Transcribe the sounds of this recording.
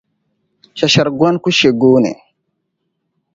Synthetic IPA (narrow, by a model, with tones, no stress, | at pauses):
ʃa˨ʃa˨ɾɡwa˦nku˦ʃe˨ɡo˦nḛ˨